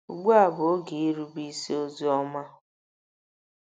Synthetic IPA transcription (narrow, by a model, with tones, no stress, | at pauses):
u˨ɡ͡bu˦a˨bo˨˦ɡi˨i˦ɾu˦bi˦si˦o˦zi˦ɔ˦ma˦